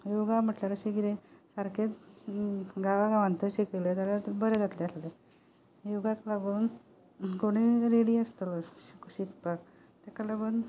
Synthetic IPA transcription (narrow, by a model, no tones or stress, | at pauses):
juɡam̤əʈlaɾɕiɡiɾesaɾket | ɡaʋaɡaʋãnt̪əɕikəlet̪alabəɾed͡zat̪leasle | juɡaklaɡuːn | koɽ̃iɾeɽiəst̪ələikɕik̪pak | t̪akalaɡuːn